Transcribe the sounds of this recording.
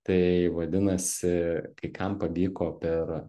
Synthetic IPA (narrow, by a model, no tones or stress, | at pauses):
t̪ɐɪʋɐd̪ʲɪnɐsʲɪkɐɪkʰɐmpɐʋʲiːkoːpʲɛr